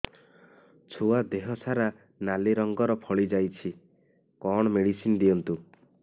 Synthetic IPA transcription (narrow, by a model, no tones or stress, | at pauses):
t͡ʃʰuad̪eɦɔsaɾa | naliɾɔŋɡɔɾɔpʰɔɭid͡ʒajt͡ʃʰi | kɔɽ̃ɔmeɽisinɔd̪iɔnt̪u